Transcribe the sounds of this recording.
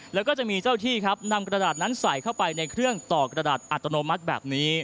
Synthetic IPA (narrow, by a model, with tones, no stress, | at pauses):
lɛː˦˥wkɔː˥˩t͡ɕa˨˩ʔmiː˧t͡ɕaː˥˩wt̪ʰiː˥˩kʰa˦˥p̚na˧mkɾa˧daː˨˩t̪̚na˦˥nsa˨˩˦jkʰa˥˩wpa˧jna˧jkʰɾɯ˥˩əŋt̪ɔː˨˩kɾa˧daː˨˩t̪̚ʔa˨˩t̪ːa˧noː˧ma˦˥t̪̚bɛ̰ː˨˩p̚niː˦˥